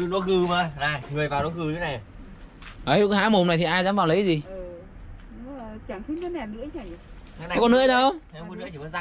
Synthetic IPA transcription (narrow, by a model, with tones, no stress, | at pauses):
ɗo˨˧˦kɨ˨˩maː˨˧˩na˨˩jŋɨ˨˩əjvaː˨˩˨o˨˦kɨ˨˩ɲʰː˧˨˧na˨˩j | ʔə˨˦jha̰ː˧˥mo˨˩mna˨˩jt̪ʰi˨˩ʔaː˧jzaː˧˥mvaː˨˩wlə˨˦jzi˨˩˨ | t͡ɕaː˧˩ŋt̪ʰi˧˦ŋkə˨˦nɛ˨˩nɨ̰˧˥əɲa˨˩˨ | kɔ˧nɨ̰˧˥əɗə˧wkɔ˧˦nɨ˧˥˦t͡ɕi˧˨˩əː˨˦za˧˦